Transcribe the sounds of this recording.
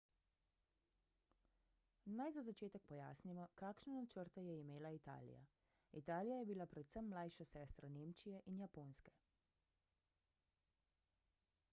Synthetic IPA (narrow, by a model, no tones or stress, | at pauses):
najzazat͡ʃeːt̪ɛk̚pɔja̰ːsnimɔkaːkʃnɛnat͡ʃəɾt̪ɛjɛimeːlait̪a̰ːlḭja̰ | it̪aːlijajɛbilapɾɛt̪səmːlajʃasɛːst̪ɾaneːmt͡ʃijɛʔinjapoːnskɛ